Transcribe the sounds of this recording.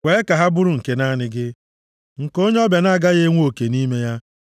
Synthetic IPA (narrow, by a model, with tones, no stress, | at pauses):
wʷe˨˦ka˨ɦa˦bʊ˦ɾʊ˨ŋ̩˨ke˦na˦˨nɪ˦ɡɪ˦ | ŋ̩˨ko˦ɲe˦ɔ˦bja˨na˦˨ɡa˦ɣe˦ŋʷ˦o˨ke˨ni˦me˦ja˦